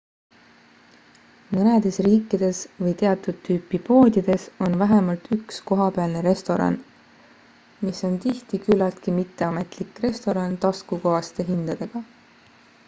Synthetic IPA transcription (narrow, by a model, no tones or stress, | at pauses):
mɤne̞d̪̥e̞sriːkːˑid̪̥e̞svɤjt̪e̞ɑt̪ːˑud̪̥t̪ʰːyːpːˑipo̞ːd̪id̪̥e̞so̞nvæɦe̞mɑlt̪yksko̞ɦɑpeɑlneɾe̞st̪o̞ɾɑ̰n | miso̞nt̪iht̪ikylːɑlt̪kimit̪ːe̞ɑme̞t̪ˑlikːˑre̞st̪o̞ɾɑnt̪ɑskuko̞ɑst̪e̞ɦind̪̥ɑd̪̥e̞ɡ̥ɑ